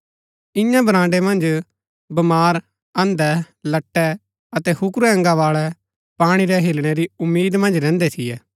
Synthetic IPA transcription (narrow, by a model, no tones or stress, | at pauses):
ɪ̃jãbɐɾãːɳɖemɐ̃nd͡ʒ | bɐmaːɾ | ɐ̃nd̪ɛ | lɐʈːɛ | ɐt̪ɛhʊkɾuɛ̃ŋɡaʋaːɭɛ | paːɽ̃iɾɛɦɪlɽ̃eɾiʊmːiːd̪mɐ̃nd͡ʒɾɛ̃ːnd̪et̪ʰɪjɛː